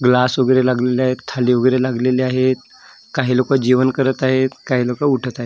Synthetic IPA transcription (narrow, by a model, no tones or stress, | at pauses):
ɡlasʋəɡɾelaɡleleaɦet̪ʰːaliːʋəɡɾelaɡleleaɦet̪ | kaɦilokad͡ʑiʋənkəɾət̪aɦet̪kaɦiːlokauʈʰət̪aɦe